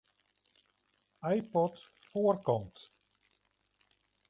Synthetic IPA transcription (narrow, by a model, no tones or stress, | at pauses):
ajpɔt | foərkɔmt